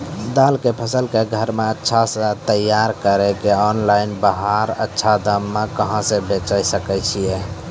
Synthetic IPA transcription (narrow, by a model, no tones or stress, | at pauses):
d̪alkepʰəsəlkeɡʱəɾmeətːʃʰasə̃t̪əjːaɾkəɾekeɔnlainbaɦaɾə̰tːʃʰad̪əmːekəɦə̃sẽbet͡ʃəjsəkɛjt͡ʃʰije